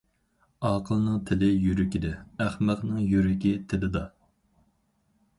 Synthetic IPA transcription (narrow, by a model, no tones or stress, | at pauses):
ɑːqʰəlˠnɨŋt̪ʰɪlɪjyɾɪkʲid̪ɪæχmæqnɨŋjyɾɪkʲit̪ʰɪlɪd̪ɑ